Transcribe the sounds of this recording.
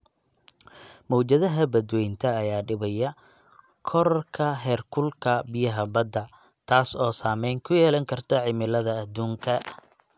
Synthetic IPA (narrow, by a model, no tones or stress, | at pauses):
mɔt͡ʃɐðɐɦɐbɐd̪wɛjnt̪ʰɐːjaːɖɪβɐjɐ | kʰɔɾkʰɐɦɛːrkʰʊlkʰɐbɪjɐɦɐbɐd̪ɐ | t̪ʰaːsɔːsaːmɛjŋkʰʊjɛːlɐŋkʰɐrt̪ʰɐʕɪmɪlɐðɐːd̪uːŋkʰɐ